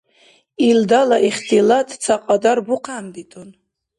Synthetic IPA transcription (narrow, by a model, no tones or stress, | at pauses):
ildalaʔiχtʰilatʼt͡sʰaqʼadarbuqʰamditʼon